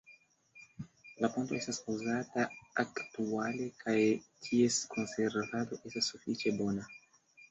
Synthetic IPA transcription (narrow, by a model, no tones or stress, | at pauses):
lapunt̪oest̪asuwzat̪aakt̪ualekʰajt̪ʰieskʰonseɾvad̪oʔest̪asufit͡ʃebona